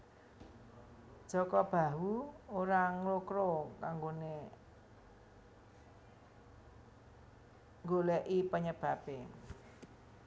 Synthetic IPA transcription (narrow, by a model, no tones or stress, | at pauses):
d̥ʒ̥ɔ̤kɔb̥a̤wuoɾaŋlokɾokaŋɡone | ŋɡolɛʔipəɲəb̥a̤pe